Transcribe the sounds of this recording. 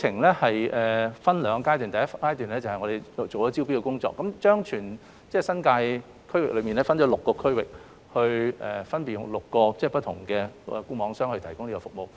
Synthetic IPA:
t͡sʰɪ˨˩ŋlɛː˥hɐ˨jʔɛː˨fɐ˥nlœː˨˧ŋkaː˥jt̪yː˨˩nt̪ɐ˨jɐ˥tfkaː˥jt̪yː˨˩nɛː˥t͡sɐ˨whɐ˨jŋɔ˧d̪e˨˧jt͡so˨wɔː˨˦t͡si˥wpi˥kɛ˧kʊ˥ŋt͡sɔ̰ː˧kːɐ˨˥mt͡ʃœː˥ŋt͡ʃʰyː˨˩n | t͡sɛː˥˩sɐ˥nkaː˧j | kʰɵ˥ɥwɪ˨klɵ˨˧ɥmi˨nlɛː˥fɐ˥nt͡ʃɔ˨˧˥lʊ˨kːɔː˧kʰɵ˥ɥwɪ˨k̚ | hɵ˧ɥɛː˨˩fɐ˥npiː˨˩jʊ̰˨ŋlʊ˨kːɔː˧t͡sɛː˥˩pɐ˥t̪ʰʊ˨˩ŋkɛː˧ɛ˧˩kuː˥mɔː˨˧˥ŋsœː˥ŋhɵ˧ɥt̪ʰɐ˨˩jkʊ˥ŋli˥kɔː˧fʊ˨k̚mo˨w

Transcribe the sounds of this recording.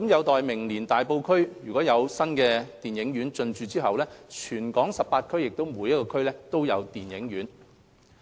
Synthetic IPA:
kmjɐ˨˧wt̪ɔː˨jmɪ˨˩ŋliː˨˩nt̪aː˨˩jpo˧wkʰɵ˥ɥjyː˨˩kʷɔː˨˥jɐ˨˧wsɐ˥nkɛː˧t̪iː˨njɪ˨˥ŋɥyː˨˥nt͡sɵ˧nt͡ʃyː˨˧t͡siː˥ɦɐ˨wlɛː˥t͡ʃʰyː˨˩nkɔː˨˥ŋsɐ˨p̚paː˧t̚kʰɵ˥ɥjɪ˨k̚t̪o˥wmuː˨˧jɐ˥t̚kɔː˧kʰɵ˥ɥlɛː˥t̪o˥wjɐ˨˧wt̪iː˨˩njɪ˨˥ŋjyː˨˥n

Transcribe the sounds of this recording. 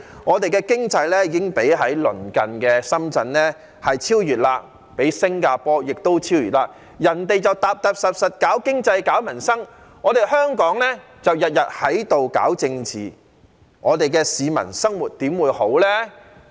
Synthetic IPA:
ŋɔː˨˧t̪e˨jkɛː˧kɪ˥ŋt͡sɐ˧jlɛː˥jiː˨˧ɪ˥ŋpe˨˥jɦɐ˨˥jlɵ˨˩nkɐ˨nkɛː˧sɐ˥mt͡sɐ˧nlɛː˥ | hɐ˨jt͡sʰiː˥wjyː˨t̚laː˧ | pe˨˥jsɪ˥ŋkaː˧pɔː˥jɪ˨k̚t̪o˥wt͡sʰiː˥wjyː˨t̚laː˧k̚ | jɐ˨˩nt̪e˨˧jt͡sɐ˨wt̪aː˨p̚t̪ɐ˨p̚sɐ˨p̚sɐ˨t̚kaː˨˥wkɪ˥ŋt͡sɐ˧jkaː˨˥wmɐ˨˩nsɐ˥ŋ | ŋɔː˨˧t̪e˨˩jɦœː˥ŋkɔː˨˥ŋlɛː˥ | t͡sɐ˨wjɐ˨t̚jɐ˨t̚hɐ˨˥jt̪o˨wka̰ː˨˥wt͡sɪ˧ŋt͡sḭː˨ | ŋɔː˨˧t̪e˨jkɛː˧siː˨˧mɐ̰˨˩nsɐ˥ŋwuː˨˩t̚t̪iː˨˥mwuː˨˧jho˨˥wlɛː˥

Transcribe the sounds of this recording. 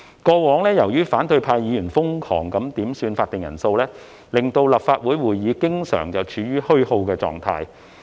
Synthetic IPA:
kɔː˧wɔː˨˥ŋlɛː˥jɐ˨˩wjyː˥faː˨˥nt̪ɵ˧ɥpʰaː˧jiː˨˧jyː˨˩nfʊ˥ŋkʰɔ̰ː˨˩ŋkɐ˨˥mt̪iː˨˥msyː˧nfaː˧t̪̚ɪ˨ŋjɐ̰˨˩nso˧wlɛː˥ | lɪ˨˩ŋt̪o˧wlɐ˨p̚faː˧t̚wuː˨˥jwuː˨˩jiː˨˧kɪ˥ŋsœ̰ː˨˩ŋt͡sɐ˨wt͡ʃʰyː˨˧ɥyː˥hɵ˥ɥho˧wkɛː˧t͡sɔ̰ː˨ŋt̪ʰa̰ː˧j

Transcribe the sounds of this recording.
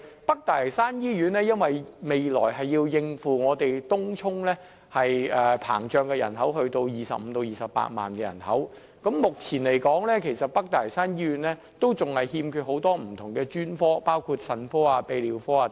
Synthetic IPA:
pɐ˥k̚t̪aː˨˩lɐ˨˩saː˥njiː˥jyː˨˥nlɛː˥jɐ˥nwɐ˨jme˨jlɔ̰ː˨˩jɦɐ˨jːiː˧wjɪ˧ŋfuː˨ŋɔː˨˧t̪e˨jt̪ʊ˥ŋt͡sʰʊ˥ŋlɛː˥ | hɐ˨jɛ˨˧pʰa̰ː˨˩ŋt͡ʃœː˨˧ŋkɛː˧jɐ̰˨˩nɦɐ˨˥wɦɵ˧ɥt̪o˧wjiː˨˩sɐ̰˨p̚m̩˨˧˦t̪o˧wjiː˨˩sɐ˨pːa̰ː˧t̚ma̰ː˨nkɛː˧jɐ̰˨˩nhɐ̰˨˥w | kɐ˨˥mːʊ˨k̚t͡sʰiː˨˩nle˨˩jkɔː˨˥ŋlɛː˥kʰe˨˩jsɐ˨t̚pɐ˥k̚t̪aː˨˩lɐ˨˩saː˥njiː˥jyː˨˧˥nlɛː˥ | t̪o˥wt͡sʊ˨ŋhɐ˨jhiː˧mkʰyː˧t̚ho˨˥wt̪ɔː˥m̩˨˩t̪ʰʊ˨˩ŋkɛː˧t͡ʃyː˥nfɔː˥paː˥wkʰuː˧t̚sɐ˨˧nfɔː˥aː˧pe˨˧jliː˨˩wfɔː˥aː˧

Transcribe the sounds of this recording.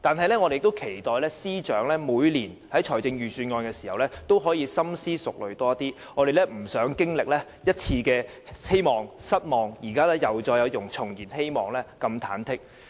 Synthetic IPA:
t̪aː˨nɦɐ˨jlɛː˥ŋɔː˧de˨jɪ˨k̚t̪o˥wkʰe˨˩jt̪ɔː˨jlɛː˥siː˥t͡ʃœː˨˥ŋlɛː˥muː˨˧jliː˨˩nhɐ˨˥jt͡ʃʰɔː˨˩jt͡sɪ˧ŋjyː˨syː˧nŋɔː˧nkɛː˧siː˨˩hɐ˨wlɛː˥t̪o˥wɦɔː˨˥jiː˧sɐ˥msiː˥sʊ˨k̚lɵ˨ɥt̪ɔː˥t̪iː˥ | ŋɔː˨˧ɾe˨jlɛː˥m̩˨˩sœː˨˥ŋkɪ˥ŋlɪ˨k̚lɛː˥ | jɐ˥t̚t͡sʰiː˧kɛː˧ | he˥jmɔː˨ŋsɐ˥t̚mɔː˨˩ŋjiː˨˩kaː˥lɛː˥jɐ˨wt͡ʃɔː˧jːɐ˨˧wjʊ˨˩ŋt͡sʰʊ˨˩ŋjiː˨˩nhe˥jmɔ̰ː˨ŋlɛː˥kɐ˧mt̪ʰa̰ː˨˥nt̪ʰɪ˥k̚

